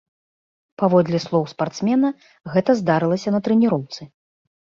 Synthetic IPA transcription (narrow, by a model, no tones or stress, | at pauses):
pavɔd̪lʲislˠɔwspart̪smʲɛnɐ | ɣɛt̪ɐzd̪aɾɨlˠɐsʲɐnɐt̪ɾɛnʲiɾɔwt̪sɨ